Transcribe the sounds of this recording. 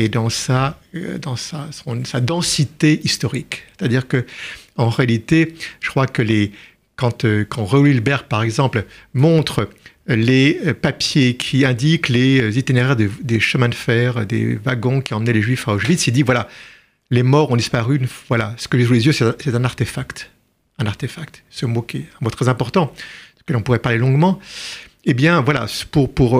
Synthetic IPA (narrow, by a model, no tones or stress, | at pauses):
ed̪ɑ̃saød̪ɑ̃sasɔ̃sad̪ɑ̃sit̪eʔist̪ɔʁikse̥t̪ad̪iʁkəɑ̃ʁealit̪eʒ̥ə̥kχwakəle | kɑ̃t̪økɑ̃ʁeulilbɛʁpaʁɛɡzɑ̃plmɔ̃t̪χə | leøpapjekʲʰiɛ̃d̪ikleøzit̪ineʁɛʁd̪ed̪eʃəmɛ̃d̪əfɛʁø̰d̪ḛvaɡɔ̃kʲiɑ̃mənɛleʒɥifaoʒvit̪sild̪ivwala | lemɔʁɔ̃d̪ispaʁynvwalasə̥kəʒis̬ulezjøsɛt̪ɛ̃sɛt̪ɛ̃naʁt̪efakt̪ | ɛ̃naʁt̪efak̚t̪səmokʲɛɛ̃mot̪χɛzɛ̃pɔʁt̪ɑ̥̃ | kəlɔ̃puʁɛpaʁlelɔ̃ɡmɑ̃ | ebjɛ̃vwala̰spuʁpuʁ